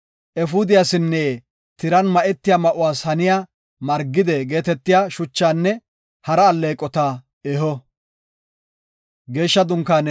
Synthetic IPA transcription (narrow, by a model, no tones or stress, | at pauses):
ʔɛfʊd̪ɪjasɪnːɛː | t̪ɪɾɐnmɐʔɛt̪ːɪjaːmɐʔʊwaːshɐnɪjaː | mɐɾɡːɪd̪ɛɡe̞ːt̪ɛt̪ːɪjaːʃʊt͡ʃːaːnːɛ | hɐɾɐːlːeːkʼːɔt̪a | ɛɦɔ | ɡe̞ːʃːɐd̪ʊŋkːaːn